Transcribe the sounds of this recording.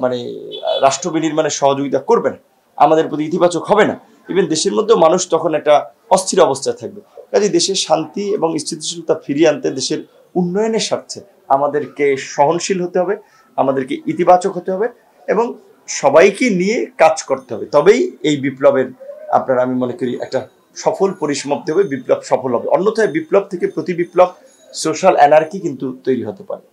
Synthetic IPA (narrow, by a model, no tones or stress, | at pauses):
manḛɾaʃʈɾobiniɾmaneʃɔɦod͡ʑoɡit̪akoɾbena | a̰mad̪eɾpɾot̪iit̪ibat͡ɕokɦɔbena̰ | ebed̪eʃeɾmod̪ʱːeomanuʃt̪ɔkʰonɛk̚ʈa | ɔst̪ʰiɾɔbost̪ʰaet̪ʰak̚bekad͡ʑid̪eʃeʃant̪ieboŋist͡ɕʰit̪iʃilt̪afʰiɾiant̪ed̪eʃeɾ | unːɔjoneʃaɾt͡ɕʰe | amad̪eɾkeʃɔɦonʃilɦot̪eɦɔbe | amad̪eɾkeʔit̪ibat͡ɕokɦot̪eɦɔbe | eboŋ | ʃɔbajkinijekad͡ʑkoɾt̪eɦɔbet̪ɔbejejbiplobeɾa̰pnaɾamimonekoɾiʔɛ̰k̚ʈa | ʃɔfolpoɾiʃmop̚t̪eɦbebiplobʃɔfolɦɔbḛʔo̰nːot̪oebiplob̚t̪ʰekepɾot̪ibiplob̚ | soʃalɛnaɾkikint̪ut̪ojɾiɦot̪epa̰ɾe